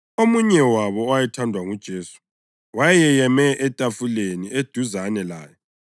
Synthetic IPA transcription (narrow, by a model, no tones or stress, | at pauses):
omuɲɛwaβɔːwajɛtʰandʱwaŋud̥ʒ̥ʱeːsu̥ | wajɛjɛjɛmɛʔɛtʼafulenied̥ʱuzanɛla̰ːjɛ